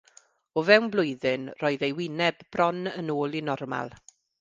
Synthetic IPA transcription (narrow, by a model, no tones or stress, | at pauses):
ɔvɛwnblˠʊɨðɪnroːɨðejwɪnɛbb̥rɔnənoːlˠinɔrma̰lˠ